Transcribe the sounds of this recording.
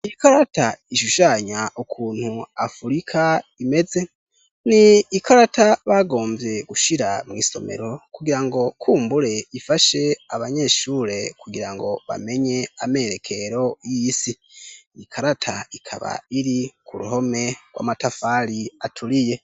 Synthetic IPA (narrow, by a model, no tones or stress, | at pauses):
iikaɾataiʃuʃaːɲaʔukʰuːn̥huafuɾikʰaime̞ze̞ | niːkʰaɾataβaɡo̞ːmvje̞ɡ̥uʃiɾamŋiːso̞̰mḛɾo̞kuɡiɾaŋɡo̞kʰuːmbuɾe̞ifaʃe̞aβaɲe̞ʃuɾe̞kuɡiɾaŋɡo̞βa̰me̞ɲe̞ame̞ɾe̞kʰe̞ɾo̞jisi | ikʰaɾatʰaikʰa̰βa̰iɾikʰuɾṵɦo̞me̞ɡ̥wa̰ːmatafaɾiatʰuɾije̞